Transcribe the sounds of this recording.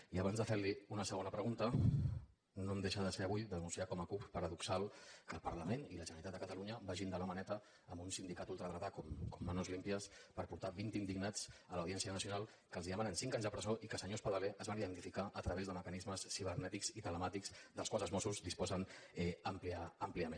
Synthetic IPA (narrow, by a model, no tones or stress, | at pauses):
iəβanzðəfeɾliunəsəɣ̞onəpɾəɣunt̪ə | nomd̪eʃəðəseəβujd̪ənunsiakɔməkuppəɾəðuksalˠkəlˠpəɾləmeniləʒənəɾit̪at̪d̪əkət̪aluɲəbaʒind̪ələmənɛt̪əː | mbunsind̪ikat̪ulˠt̪ɾəðɾat̪akɔmkɔmːənozlimpiəspəɾpuɾt̪aβint̪ind̪iɡnat͡sələwðiɛnsiənəsiunalˠ | kəlziðəmanənsiŋkaɲzðəpɾəzoʔikəsəɲospaðəleʔəzβaniðənt̪ifikaʔət̪ɾəβezðəməkənizməsːiβ̞əɾnɛt̪ikzit̪ələmat̪ikz̥d̪əlˠkwalˠzəlzmɔsuzd̪ispɔzənɛəmpliaːmpliəmen